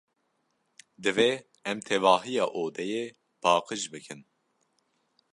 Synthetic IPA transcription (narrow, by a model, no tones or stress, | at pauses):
d̪ɨve | ɛmt̪ʰɛvɑːɦijɑːʔoːd̪ɛje | pʰɑːqɨʒbɨkʰɨn